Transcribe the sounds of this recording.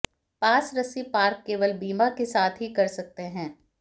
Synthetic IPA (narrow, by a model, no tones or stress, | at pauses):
paːsɾəsipaːɾkːeːʋəlbiːmakesaːt̪ʰɦikɐɾsɐk̚t̪eɦɛ̃ː